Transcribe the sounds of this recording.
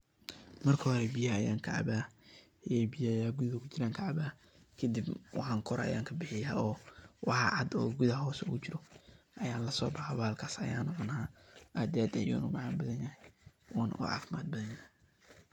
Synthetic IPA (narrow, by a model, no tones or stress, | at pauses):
mɐrkʰɐɦɔɾɛbɪjɐjaːŋkʰɑʕɑ̰baː | jɛbɪjajaːɡuðɐkʰʊt͡ʃʰɪɾaːŋkʰɐʕɑbaː | kʰɐd̪ibwʔɑħɑŋkʰɔɾɐ̰jaːŋkʰɐbɪħɪjaːɔːwɑħɑʕɑd̪ɔ̰ːɡuðɐɦɔːsɔ̰kʊt͡ʃɪɾɔʔɐjaːnlɐsɔ̰ːbɑħaβaːlkʰaːsɐjaːnʊʕnaːʔad̪ɛːd̪ɐjṵːnʊmɑʕɑːnbɐðɐnjɐɦɛjʔʊːnʔṵːʕɑ̰ːfmaːd̪̚bɐðɐnjɐ